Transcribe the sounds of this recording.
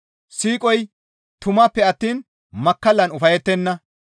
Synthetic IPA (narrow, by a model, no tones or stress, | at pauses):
siːkʼɔj | t̪ʊmɐːpːɛɐt̪ːiːn | mɐkːɐlːɐnʊfɐjɛt̪ːɛnːɐ